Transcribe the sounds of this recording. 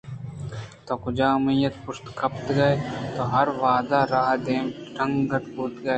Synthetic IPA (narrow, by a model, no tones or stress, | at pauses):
t̪oːkʊd͡ʒaːmijɐt̪pʊʃt̪kʰɐpt̪ɡɐet̪oːɦɐɾʋaːd̪aɾaːɦd̪eːmʈʰɐ̃ŋɡɡɐt̪buːt̪ɡɐe